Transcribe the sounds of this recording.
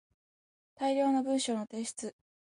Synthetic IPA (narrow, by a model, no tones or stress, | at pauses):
t̪aiɾʲo̞ːno̞bɯ̟̃ɰ̃ɕo̞ːno̞t̪e̞ːɕi̥t͡sɨ